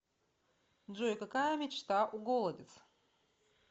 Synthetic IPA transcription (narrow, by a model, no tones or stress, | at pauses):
ʐojkɐkajəmʲɪt͡ɕt̪aʔuɡolˠədʲɪt̪s